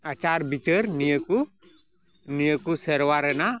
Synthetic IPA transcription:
at͡ʃaɾbit͡ʃəɾnijəku | nijəkusəɾʋaɾəna

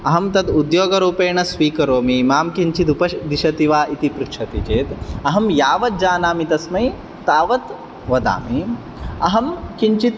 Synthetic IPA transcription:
ɐɦɐmt̪ɐd̪ud̪joːɡɐɾuːpeːɳɐsʋiːkɐɾoːmimaːmkiɲt͡ʃit̪̬upɐʃd̪iʃɐt̪iʋaːʔit̪ipɾutʃʰɐt̪ḭt͡ʃeːt̪ɐɦɐmjaːʋɐt̪̚d͡ʒaːnaːmit̪ɐsmɐj | t̪aːʋɐt̪ | ʋɐd̪a̰ːmi | ɐɦɐmkiɲt͡ʃit̪

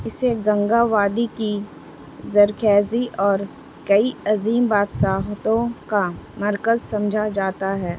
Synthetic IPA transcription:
ɪseɡɐ̃ŋɡaːʋaːd̪iki | zɐɾkʰɛːziʔɔːɾ | kɐiɐziːmbaːt̪ʃaːɦt̪õkamɐɾkəzsɐ̃md͡ʒʱad͡ʒaːt̪aɦɛː

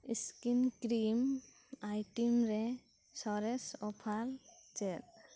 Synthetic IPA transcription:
iskinkɾim | ajʈimɾɛ | sɔɾɛsɔpʰalt͡ʃɛt

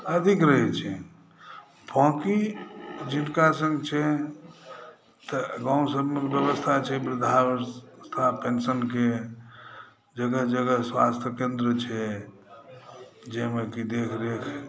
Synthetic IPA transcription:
əd̪ʱikɾəɦɛt͡ʃʰɛ | bʰʱãkid͡ʒinkasə̃ŋɡt͡ʃʰɛ | t̪əɡãũsəbmebjəβəst̪ʰat͡ʃʰɛbɾud̪ʱast̪ʰapensənke | d͡ʒəɡəɦd͡ʒəɡəɦswast̪ʰəkend̪ɾət͡ʃʰɛ | d͡ʒemekid̪ekʰɾekʰ

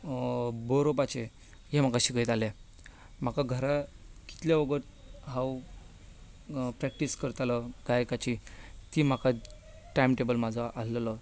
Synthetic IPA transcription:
boɾopat͡ɕe | ɦem̤akaɕikəjt̪ale | m̤akaɡʱəɾaki̥t̪ljaʋəɡəɾ | ɦãw | pɾɛk̚ʈiskəɾt̪aləɡ̥ajkat͡ɕit̪iːm̤aka | ʈajimʈebəlmad͡zʱəʔallələ

